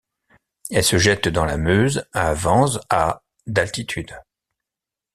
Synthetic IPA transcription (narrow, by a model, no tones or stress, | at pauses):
ɛlsəʒɛt̪d̪ɑ̃lamøzavɑ̃za | d̪alt̪it̪ʰyd̪